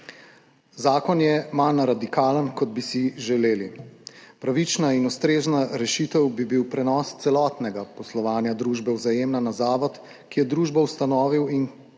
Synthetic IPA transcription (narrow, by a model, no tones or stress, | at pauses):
zaːkɔnjɛmanɾad̪ikaːlənkɔd̪bisiʒɛleːlipɾaʋit͡ʃnainust̪ɾeːznaɾɛʃit̪əwbibiwpɾɛnɔːst̪sɛlɔːt̪nɛɡapɔslɔʋaːnjad̪ɾuːʒbɛwzajeːmnanazaːʋɔt̪ | kijɛd̪ɾuːʒbawst̪anɔːʋiwin